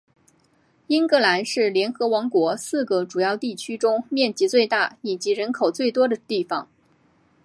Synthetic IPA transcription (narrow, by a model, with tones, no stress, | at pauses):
i˥nkɤ˥la˧˥nʂɻ̩˥˩ljɛ˧˥nxɤ˧˥wɑ˧˥ŋkwɔ˧˥sɹ̩˥˩ɡə˩ʈ͡ʂu˨˩jɑ˥˧ʊt̪i˥˩t͡ɕʰy˥ʈ͡ʂʊ˥ŋmjɛ˥˩nt͡ɕi˧˥t͡swe˥˧ɪt̪a˥˩i˨˩t͡ɕi˧˥ɻə˧˥nkʰo˨˩ʊt͡swe˥˩ɪt̪wɔ˥d̪ə˨t̪i˥˩fɑ̰˨˩˦ŋ